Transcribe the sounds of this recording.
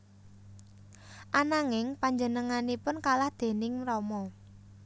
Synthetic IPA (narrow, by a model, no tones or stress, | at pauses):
ʔanaŋɪŋpaɲd͡ʒənəŋanipʊnkalahd̪̥e̤nɪŋmɾɔmɔ